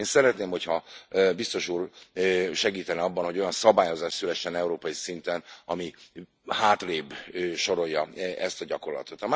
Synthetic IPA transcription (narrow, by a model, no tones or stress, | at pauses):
eːnsɛɾɛt̪neːmho̞chɒbist̪o̞ʃuːr | ʃɛɡiːt̪ɛnɛɒbːɒnhoɟo̞jɒnsɒbaːjo̞zaːʃt̪sylɛʃːɛnɛuɾoːpɒjisint̪ɛnɒmi | haːt̪leːbøːʃo̞ɾo̞jːɒɛst̪ɒɟɒko̞rlɒ̰t̪o̞t̪ɒma